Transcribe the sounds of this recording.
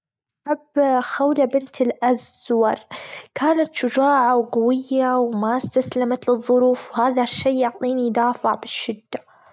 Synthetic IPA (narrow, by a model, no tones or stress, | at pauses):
ħabxawlabɪnt̪ɪlʔazwɑɾˤkʰaːnat̪ʃʊd͡ʒaːʕawɡawɪjːawmast̪aslamat̪lɨðˤːʊɾuːfwhaːðaʃːiːʊʕt̪ˤiːnijd̪aːfɪʕbɪʃːɪd̪ːa